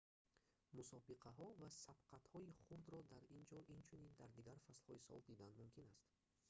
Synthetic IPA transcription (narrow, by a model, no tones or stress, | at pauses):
musɔbiqʰaɦɔvasab̥qʰat̪hɔiχuɾd̪ɾɔd̪aɾind͡ʒɔʔint͡ʃʰunind̪aɾd̪iɡaɾfaslhɔisɔ̰ld̪id̪and̪mumkʰinast̪